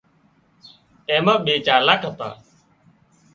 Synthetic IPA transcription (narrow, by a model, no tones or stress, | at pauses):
ẽːmək̚ɓeːt͡ʃaːɾlaːkʰət̪a̰ː